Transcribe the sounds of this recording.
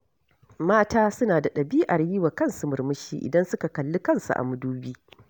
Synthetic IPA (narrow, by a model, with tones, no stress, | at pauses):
maː˦taː˦sʊ˦naː˨da˨ɗɐ˨biː˦ʔa˨ɾji˦wa˨kɐ˦˨nsu˨mʊ˨rmʊ˦ʃḭː˦ʔɪ̰˨dɐ˦nsʊ˦ka˨kɐ˨lːu˦kɐ˦˨nsṵ˨ʔa̰˨mʊ˦duː˦biː˦